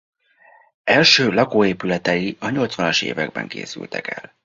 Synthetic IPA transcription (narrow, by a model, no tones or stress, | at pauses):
ɛlʃøːlɒkoːeːpylɛt̪ɛjiɒɲo̞lt̪svɒnɒʃḛːvɛɡ̚bɛ̰ŋkḛːsy̰lt̪ɛkɛ̰l